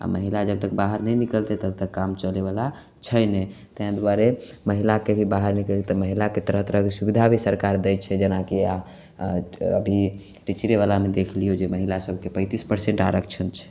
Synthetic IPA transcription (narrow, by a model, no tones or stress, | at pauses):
a̰məɦilad͡ʒəb̚t̪ək̚baɦəɾnɛnikəlt̪ɛt̪əb̚t̪əkːamt͡ʃəleβala | t͡ʃʰəjnɛt̪əɦãd̪uaɾe | məɦilakebʱibaɦəɾnikəlt̪et̪əməɦilaket̪əɾəɦt̪əɾəɦkesubid̪ʱabʱisəɾkaɾd̪ɛjt̪̚t͡ʃʰɛd͡ʒənakia | ə̰bʱi | ʈit͡ʃɾeβalamed̪ekʰlijod͡ʒeməɦilasəbʱkepə̃ɪt̪ispəɾsẽɳʈaɾəkʰt͡ʃʰənt͡ʃʰɛ̥